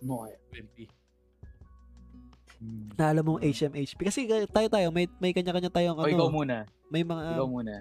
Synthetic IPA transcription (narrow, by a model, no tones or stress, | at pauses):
moɐɛnp̪i | nɐʔɐlɐmːoŋʔejt͡ʃʔɛmʔejt͡ʃpikɐsɛt̪aːjot̪aːjo̞mɐjmɐjkɐɲakɐɲat̪aːjoŋʔɐɪokɐwmuːnɐ | mɐjmɐŋakɐwmuːnɐ